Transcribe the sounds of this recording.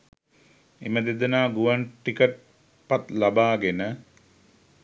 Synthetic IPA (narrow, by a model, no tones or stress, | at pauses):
ḛməd̪ed̪ənaːɡuʋaɳʈikəʈ̚ | pat̪labaːɡenə